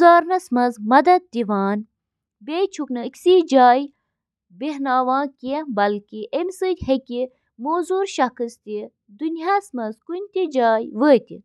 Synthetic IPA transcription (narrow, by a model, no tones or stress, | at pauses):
zaːɾnɐsmɐzmɐd̪ɐd̪̚d̪iʋaːn | beːjt͡ʃʰuknɐkʲsid͡ʒaːj | beɦnaːʋãːkʲiebɐlkiʔemsɨtʲhekʲi | moːzuːɾʃɐkʰɨst̪i | d̪unjasmɐzkunʲt̪ʲid͡ʒaːjʋəːt̪ʲḭ